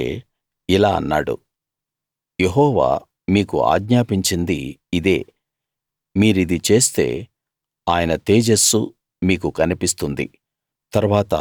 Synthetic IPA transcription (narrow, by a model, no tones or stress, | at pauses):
ḛː | ilaːɐ̰nːa̰ːɽṵ | je̞ɦɔːʋa̰ː | miːkua̰ːɡɲaːpiɲt͡ʃind̪iːd̪ḛː | miːɾuid̪it͡ʃe̞ːst̪e̞̰ː | aːjɐnɐt̪eːd͡ʒesu | miːkukɐnipist̪und̪ḭ | t̪ɐɾʋaːt̪ɐ̰